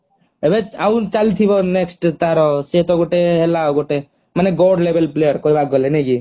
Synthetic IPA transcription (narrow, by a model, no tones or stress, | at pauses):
ebeaũt͡ʃalt̪ʰibɔneksʈt̪aɾɔset̪ɔɡoʈeɦelaoɡoʈe | maneɡɔɖlebelplejɔɾkɔibak̚ɡɔlenɛki